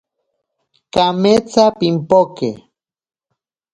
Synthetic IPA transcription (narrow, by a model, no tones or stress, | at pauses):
kamet͡sapimpokḛ